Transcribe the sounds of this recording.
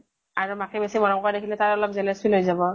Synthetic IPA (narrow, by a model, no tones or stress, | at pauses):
aɹumakibesimɔnɔŋkɔɹadekʰilɛtaɹɔlɔp̚zɛlɛsulɦojzabɔ